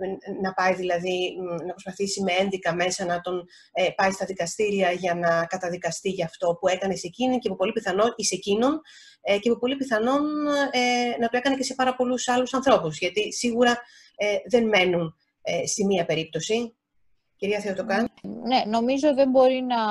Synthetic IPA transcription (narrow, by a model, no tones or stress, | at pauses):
nɐpɐjðilɐðinɐpɾo̞spɐθisimee̞nðikɐme̞sɐnɐt̪o̞n | epɐist̪ɐðikɐst̪iɾiɐʝɐnɐkɐt̪ɐðikɐst̪iʝɐft̪o̞pue̞kɐnese̞cinicepupo̞lipiθɐno̞ise̞cinon | ecepupo̞lipiθɐno̞nenɐt̪oe̞kɐne̞ce̞se̞pɐɾɐpo̞lusɐlusɐnθɾo̞puzʝɐt̪isiɣuɾɐ | eðe̞nme̞nun | est̪imiɐpe̞ɾip̚t̪o̞si | ciɾiɐθeot̪o̞kɐnneno̞mizoot̪iðembo̞ɾinɐ